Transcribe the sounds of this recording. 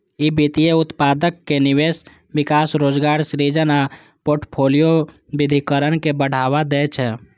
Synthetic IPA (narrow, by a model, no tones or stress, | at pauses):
ibit̪ijeʊt̪pad̪əkːeniwes | bikasɾoːd͡ʒɡaːɾsɾid͡ʒəna | poɾʈpʰolijo | bid̪ʱikəɾənkebəɽ̤awad̪ɛt͡ʃʰɛ